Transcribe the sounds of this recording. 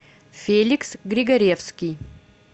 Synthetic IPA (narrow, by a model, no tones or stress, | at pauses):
fʲelʲiksɡɾʲɪɡɐɾʲefskʲij